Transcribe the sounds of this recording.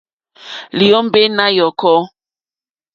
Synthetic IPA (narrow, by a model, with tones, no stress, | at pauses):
li˨ɔ˦m̩˦be˦na˦jɔ˨kɔ˦